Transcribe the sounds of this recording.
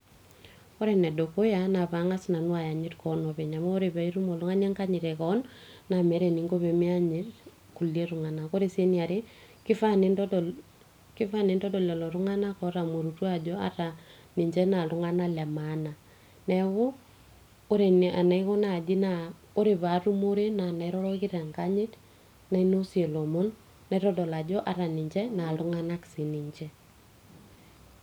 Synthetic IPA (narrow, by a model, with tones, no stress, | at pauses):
o˦ɾe˨nɛ˨do˨ko˦ja˦na˨βa˨˦ŋa˦sna˨nu˦wa˨ja˨ɲɪ˦tkɔ˨nɔ˨βɛ˨ɲa˨mɔ˦o˦ɾe˨βa˨i˦ɾu˦mo˨lu˦ŋa˦ɲe˦ŋka˦ɲɪ˨ɾekɔ˦nːa˨mɛ˨˦ɾe˨ni˨ŋɡo˦βe˨mi˦a˦ɲɪ˦ɾ | ku˨lie˦ɾu˨ŋa˨na˨ko˦ɾe˦˨se˦ni˨a˨ɾe˦ | kɪ˦fa˦n˦ | kɪ˦fa˦ne˨˦ndɔ˦dɔ˨lɛ˨lɔ˨ɾu˦ŋa˦na˦kɔ˦ɾa˨mo˨ɾu˨twa˦d͡ʒɔ˦a̰˦ɾa˨ | ni˨ɲd͡ʒɛ˦na˨lu˦ŋa˦na˦lɛ˨mana˨ | nɛ˦wʊː˦ | ɾe˨n˨ʔa̰˨na˨i˦kɔ˦na˦˨d͡ʒɪ˦na˨ | o˦ɾe˨βa˨˦ɾu˦mo˦ɾe˦na˨na˨jɾɔ˦ɾɔ˦kɪ˦ɾa˨ŋka˦ɲɪ˦t | na˨i˦no˦si˦e˨lɔ˨mo˦nː | a˨˦ɾɔ˦dɔ˨la˨d͡ʒɔ˦ʔa˦ɾa˨nɪ˨ɲd͡ʒɛ˦na˨lʊ˦ŋa˦na˦ksi˨ni˨ɲt͡ʃɛ˦